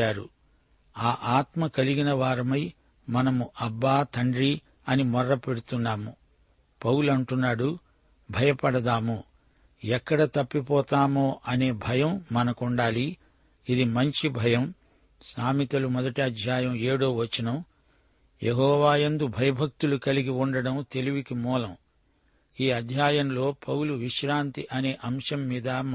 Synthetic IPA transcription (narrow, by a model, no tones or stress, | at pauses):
aːɾṵ | aːʔaːt̪mɐkɐliɡinɐʋaːɾɐmɐj | mɐnɐmuʔɐbːaːt̪ʰɐɳɖɾi | ɐnimɔɾːɐpe̞ɽut̪unːaːmu | pɐwulɐɳʈunːaːɽu | bʱɐjɐpɐɽɐd̪aːmo | ɛkːɐɽɐt̪ɐpːipɔːt̪aːmoːʔɐne̞ːbʱɐjɐmːɐnɐkuɳɖaːliː | d̪imɐɲt͡ʃibʱɐjɐm | saːmit̪ɐlumɔd̪ɐʈiɐd̪ʱjaːjɐme̞ːɽoːʋɐt͡ʃːinɐm | jeɦɔːʋaːjend̪ubʱɐjɐbʱɐk̚t̪ulukɐliɡiuɳɖɐɽɐmt̪e̞liʋikimuːlɐm | iːɐd̪ʱjaːjɐmlo̞ːpʰɐwuluʋiʂɾaːnt̪iʔɐne̞ːʔɐmʂɐmːiːd̪ɐ